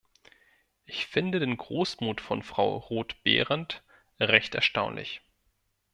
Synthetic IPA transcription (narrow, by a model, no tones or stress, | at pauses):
ʔɪçfɪndədeːnɡʁoːsmuːtfɔ̰nfʁ̥aʊʁoːtb̥ḛːʁənt | ʁɛçtɛɐʃtaʊnlɪ̰ç